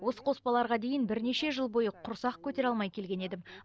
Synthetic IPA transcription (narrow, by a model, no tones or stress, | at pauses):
wo̞sə̥qʰo̞spɑlˠɑɾʁɑd̪e̞jɪnbɪɾne̞ʃe̞ʒəlˠbo̞jəqʰʊɾsɑqkʲʰɵt̪e̞ɾɑlˠmɑjkʲʰe̞lɡʲe̞ne̞d̪ɪm